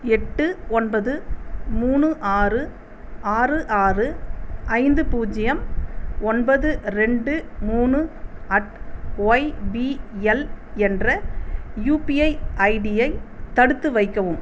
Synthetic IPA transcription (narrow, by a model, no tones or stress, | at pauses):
ɛʈːɯɔnbɐðɯmuːɳɯʔaːrɯ | aːrɯʔaːrɯʔɐɪnd̪ɯpuːd͡ʒɪjɐmɔnbɐðɯɾɛɳɖɯmuːɳɯɐʈoːɪbiɛlɛndrɐjuːpijɐɪʔɐɪɽɪjɐɪt̪ːɐɽɯt̪ːɯʋɐɪkːɐʋɯm